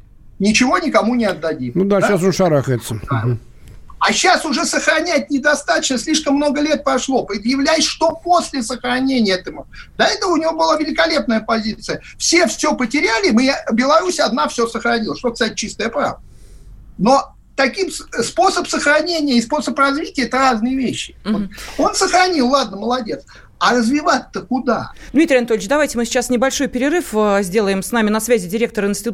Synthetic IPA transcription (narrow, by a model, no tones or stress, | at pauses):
nʲɪt͡ɕɪvo̞nʲɪkɐmunʲɪɐd̪ːɐdʲimnud̪aasonʂɐɾaxəjɪt̪səa | ɐɕːasʊʐɛsəxɾɐnʲæt̚ʲnʲɪd̪ɐst̪at̪ə̥t͡ɕnəsʲlʲiʂkəmːno̞ɡəlʲet̪̚pɾɐʂlˠo̞pɾʲɪd̪jɪvlʲæjɪsʲʂt̪oposʲlʲɪsəxɾɐnʲenʲɪjət̪əmd̪ɐɛt̪əvəʊnʲɪvo̞bɨlˠavʲɪlʲɪkɐlʲe̞p̚nəjəpɐzʲit̪sɨjə | fsʲe̞fsʲɵpətʲɪɾʲælʲɪmɨbʲɪlˠɐɾusʲɐd̪nafsʲosəxɾɐnʲilˠəʂt̪okst̪at̚ʲt͡ɕːist̪əjəpɾa̰və | no̞ | t̪ɐkʲimsspo̞səpsəxɾɐnʲenʲɪjəɪspo̞səprɐzvʲitʲɪəɛt̪əraznɨjəvʲeɕːɪoo̞nsəxɾɐnʲilˠlˠad̪̚nəməlˠɐdʲet̪s | ɐrəzvʲɪvat̪ːəkʊd̪a̰d̪mʲit̪ɾɪjɐnɐt̪olʲɪt͡ɕʲd̪ɐvajtʲɪmɨsʲɪ̥t͡ɕasnʲɪbɐlʲʂo̞jpʲɪɾʲɪrɨfzʲdʲe̞lˠəjɪmsnamʲɪnɐsvʲæzʲɪdʲɪɾʲe̞k̚t̪əɾəɪnsʲtʲɪt̪